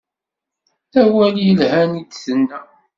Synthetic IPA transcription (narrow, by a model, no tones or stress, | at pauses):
æwæljəlhænid̪θənːæ